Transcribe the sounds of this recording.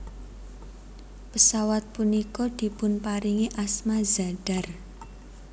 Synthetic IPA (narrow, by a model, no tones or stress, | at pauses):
pəsawat̪̚punikɔd̪̥i̤pʊnpaɾiŋiʔasmaza̤ɖ̥a̤r